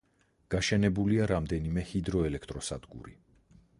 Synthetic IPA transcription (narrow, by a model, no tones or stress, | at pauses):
ɡ̥aʃɛnɛbuliaɾamd̪ɛnimɛhid̪ɾɔɛlɛkʰt̪ʼɾɔsa̰d̪ɡṵɾi